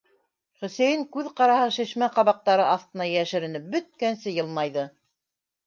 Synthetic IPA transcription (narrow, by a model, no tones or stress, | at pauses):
χɵ̆sæjɘŋkʉðqɑɾɑhɤʃĭʃmæqɑβɑq̚t̪ɑɾɤʔɑθt̪ɤ̆nɑjjæʃɘ̆ɾɘ̆nɘp̚bɵ̆t̪̚kænsɘjɤlˠmɑjðɤ